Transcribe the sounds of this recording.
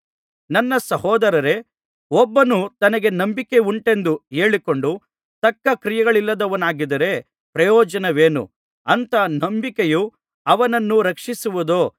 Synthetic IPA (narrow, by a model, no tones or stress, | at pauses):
nɐnːɐsɐhɔːd̪ɐɾɐɾe̞ | ɔbːɐnut̪ɐnɐɡe̞nɐmbike̞uɳʈe̞nd̪ueːɭiko̞ɳɖu | t̪ɐkːɐkɾijɐɡɐɭilːɐd̪ɐʋɐnaːɡid̪ɐɾe̞ | pɾɐjɔːd͡ʒɐnɐʋeːnṵ | ɐnt̪ɐnɐmbikeju | ɐʋɐnɐnːuɾɐkʂisuʋud̪oː